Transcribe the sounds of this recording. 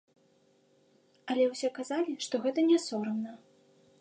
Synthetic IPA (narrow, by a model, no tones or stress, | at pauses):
alʲɛwsʲɛkazalʲiʂt̪ɔɣɛt̪ɐnʲɛsɔɾɐmnɐ